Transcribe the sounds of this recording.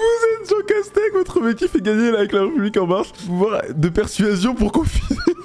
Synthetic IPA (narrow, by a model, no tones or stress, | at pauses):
vuzɛt̪ʒɑ̃kast̪ekvɔt̪χəmet̪jifɛɡaɲelavɛklaʁepyblikɑ̃maʁspuvwaʁd̪əpɛʁsyazjɔ̃puʁkɔ̃fini